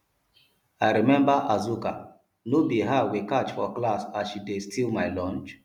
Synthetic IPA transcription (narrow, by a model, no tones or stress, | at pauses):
ajɹimɛ̃mbəʔazuka̰ | nobiɦawikat͡ʃfɔklasaʃidestʰilmajlɔ̃nt͡ʃ